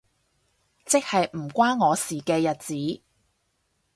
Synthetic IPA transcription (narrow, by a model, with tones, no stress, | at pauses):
t͡sɪ˥k̚hɐ˨jm̩˨˩kʷaː˥nŋɔː˨˧siː˨˩kɛː˧jɐ˨t̚t͡siː˨˥